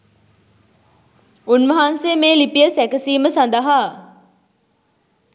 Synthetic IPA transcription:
unʋɐɦansemeːlipijəsækəsiːməsand̪əɦa

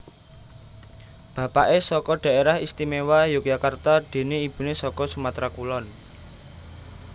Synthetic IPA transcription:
b̥ä̤paʔesɔkɔɖ̪̥ä̤eɾahist̪imewajʊk̚ja̤kart̪ad̪̥e̤neib̥ṳnesɔkɔsumat̪ɾakulɔn

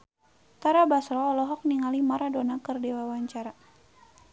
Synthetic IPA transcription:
t̪aɾabasɾɔːlɔɦɔk̚niŋalimaɾadonakɨrdewawaɲt͡ʃaɾa

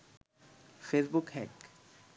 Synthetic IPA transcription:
feːsbʊkhɛːk

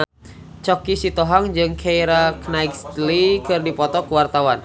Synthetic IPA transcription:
t͡ʃɔkisit̪ɔɦaŋd͡ʒɨŋkʰejɾaknaɡst̪likɨrdipɔt̪ɔkuwart̪awan

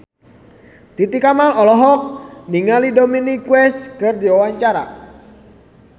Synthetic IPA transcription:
t̪it̪ikamalɔlɔɦɔk̚niŋalidominikwɛskərdiwawaɲt͡ʃaɾa̰

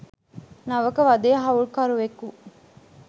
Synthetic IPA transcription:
nɐʋɐkɐʋɐd̪eːɦɐuɭkɐɾuʋeku

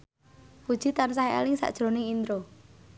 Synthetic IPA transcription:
pud̥ʒ̥i̤t̪ansaɦiḛlɪŋsa̰ʔd̥ʒ̥ɾo̤nɪŋind̪ɾo

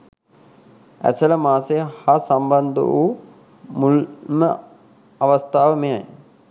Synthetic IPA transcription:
æ̰sɐləmaːsejhasambɐnd̪ə̰ʋuː | mulmə | ɐʋɐst̪aːʋəmejaj

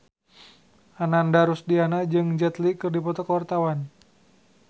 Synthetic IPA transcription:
ʔanandaɾusdianad͡ʒɨŋd͡ʒɛt̪likɨrdipɔt̪ɔkəwart̪awan

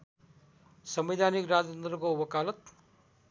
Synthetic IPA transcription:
sʌmwid̪ʱanikɾad͡zʌnd̪ɾʌkowʌkalʌt̪̚

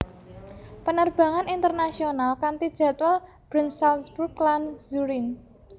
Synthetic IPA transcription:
pənərb̥a̤ŋanint̪ərnasionalkant̪id̥ʒ̥a̤t̪ʊl | b̥ɾənsalsburɡlanzuɾins

